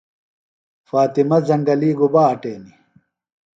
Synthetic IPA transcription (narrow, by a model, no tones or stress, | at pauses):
faːt̪imɐzɐŋɡɐliːɡubaːʈeːni